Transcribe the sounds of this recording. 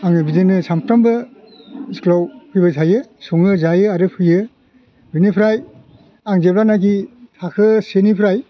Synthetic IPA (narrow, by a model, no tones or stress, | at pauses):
aŋɯbizenɯsampʰtambɯ | sklawpʰɯjbasʰajɯsɔŋɯzajɯaɾɯpʰɯjɯ | bɯnipʰɾaj | aŋzepɾanak̬itʰakʰɯsenipʰɾaj